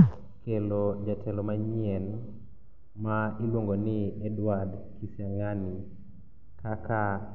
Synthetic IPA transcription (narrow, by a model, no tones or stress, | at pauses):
kelod͡ʒatʰɛlɔmaɲiɛn | mailwoŋɡonɪɛdwad | kisjaŋani | kaka